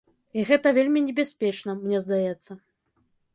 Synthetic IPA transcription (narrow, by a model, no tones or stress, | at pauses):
iɣɛt̪ɐvʲelʲmʲinʲɛbʲasʲpʲɛt͡ʂnɐmnʲɛzd̪ajɛt̪sːɐ